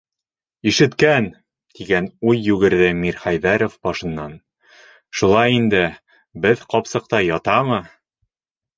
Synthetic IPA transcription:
iʃɘ̆t̪kæn | t̪iɡænujːʉɡɘ̆ɾðɘmiɾχæjðæɾŏfbɒʃɤ̆nːɑn | ʃulˠɑjind̪ɘ | bɘðqɒpsɤ̆q̚t̪ɑjɒt̪ɑmɤ

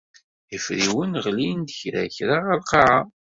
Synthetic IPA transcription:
əfɾiwənʁlind̪əçɾæ̰çɾaʁælqɑʕa

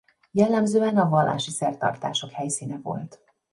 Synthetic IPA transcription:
jɛlːɛmzøːɛnɒvɒlːa̰ːʃisɛrt̪ɒ̰rt̪a̰ːʃo̞khɛjsiːnɛvo̞̰lt̪

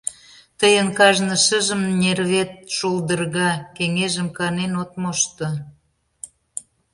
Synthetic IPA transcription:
t̪əjənkɑʒnə̆ʃəʒəmnʲerβet̪̚ʃuld̪ərɣɑkeŋeʒəmkɑnenot̪moʃt̪o

